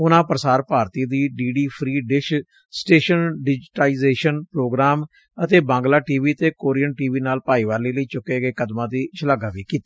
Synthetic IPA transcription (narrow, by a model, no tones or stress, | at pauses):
ʊnãːpɾəsaːɾpaːɾt̪iːd̪iːɖiːɖiːpʰɾiːɖɪʃ | sʈeːʃənɖɪd͡ʒʈaːiːzeːʃənpɾoːɡɾaːm | ət̪eːbãːŋɡlaːʈiːʋiːt̪eːkoːɾiːənʈiːʋiːnaːlpaːiːʋaːliːləiːt͡ʃʊkːeːɡeːkəd̪mãːd̪iːt͡ʃʰəlaɡaːʋiːkiːt̪ḁː